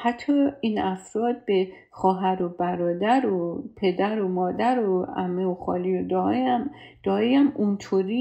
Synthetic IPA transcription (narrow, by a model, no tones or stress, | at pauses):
hæt̪ʰːɒːiːnæfɾɒːd̪̚be | xɒːɦæɾo̞bæɾɒːd̪æɾopʰe̞d̪æɾomɒːd̪æɾoæmːeoxɒ̰ːliod̪ɒeæm | d̪̥ɒːejæmunt̪ʰoːɾi